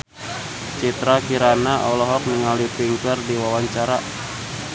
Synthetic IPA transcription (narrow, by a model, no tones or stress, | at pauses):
t͡ʃit̪ɾakiɾanaʔɔ̰lɔɦɔk̚niŋalipiŋkərdiwawaɲt͡ʃaɾa